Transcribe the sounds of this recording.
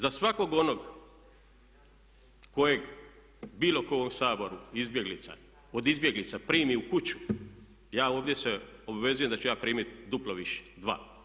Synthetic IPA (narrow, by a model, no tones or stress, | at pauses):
zasʋakoɡo̞no̞ɡ | ko̞jeɡ | biːlˠokoʋomsaːbo̞ɾuizbje̞ɡlit̪sa̰ | od̪izbje̞ɡlit̪sapɾiːmiukut͡ɕu̥ | jaːoːʋd̪ʲje̞seobaʋe̞zuje̞md̪at͡ɕujaːpɾiːmit̪d̪uplˠoʋiʃe̥d̪ʋa̰ː